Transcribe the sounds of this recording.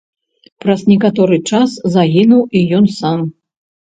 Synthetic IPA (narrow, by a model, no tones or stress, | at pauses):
pɾɐznʲɛkat̪ɔɾɨt͡ʂaszaɣʲinuwʔijɔnsam